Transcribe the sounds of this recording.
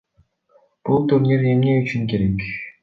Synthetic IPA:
b̥ulˠt̪uɾneɾemneyt͡ʃyŋkeɾek

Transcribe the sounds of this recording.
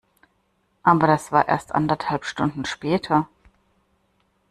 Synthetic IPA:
ʔaːbɐdasv̥aːɐʔḛːɐstʔa̰ndɐthalpʃtʊndn̩ʃpɛːtʰɐ

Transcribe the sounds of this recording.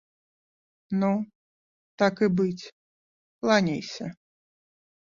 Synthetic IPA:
nu | t̪akɨbɨt͡sʲ | plˠanʲejsʲɐ

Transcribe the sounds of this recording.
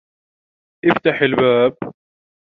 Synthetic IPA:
ʔɪft̪aħɪlbaːb̚

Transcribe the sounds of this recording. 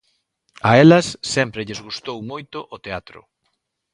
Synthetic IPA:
ɐelɐsːɛmpɾɪʎezɣust̪owmojt̪ʊʔot̪eat̪ɾʊ̰

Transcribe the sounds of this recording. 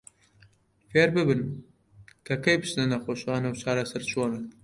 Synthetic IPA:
feːɾbɨbɨn | kʰɐkɐjbɨt͡ʃnɐnɐxoːʃxɑːnɐwt͡ʃʰɑːɾɐsɐɾt͡ʃʰoːnɐ

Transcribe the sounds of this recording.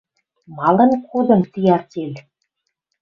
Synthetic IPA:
mɑlɤ̆nkud̪ɤ̆nt̪ijɑrt̪ʲelʲ

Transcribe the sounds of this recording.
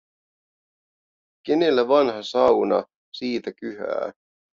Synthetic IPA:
ke̞nelːæʋɑnɦɑsɑwnɑ̰ | siːt̪ækyɦæ̰ː

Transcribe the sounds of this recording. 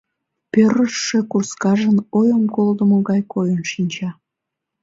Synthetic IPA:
pøɾəʃːekurskɑʒənojəmkold̪əmoɣɑjkojənʃinʲt͡ɕɑ

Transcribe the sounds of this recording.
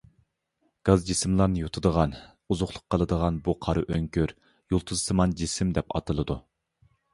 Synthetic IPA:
ɡ̥ɑzd͡ʒisɪmlˠɑɾnɨjot̪ʰɨd̪əʁɑn | uzʊχlˠʊqqːəlˠɨd̪əʁɑnbuqʰɑɾɨʔøŋkʲøɾ | jolˠt̪ʰuzɨsɨmɑnd͡ʒisɪmd̪ɛpɑ̰t̪ʰɨlˠɨd̪u

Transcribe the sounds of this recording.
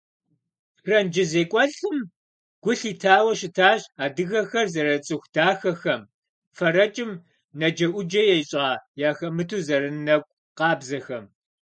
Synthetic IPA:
rɐnd͡ʒɪzeːkʷʼɔɬɨm | ɡ̥ʷʊɬiːtʰaːwɐʃɪtʰaːɕaːdɨɣɐxɐrzɐɾɐt͡sʼɨxʷdaːxɐxɐm | fɐɾɐt͡ʃʼɪm | nɐd͡ʒɐʔʷʊd͡ʒɐjɛjɪɕʼaːjaːxɐmɨtʰuːzɐɾɨnnɐkʷʼ | qɑːbzɐxɐm

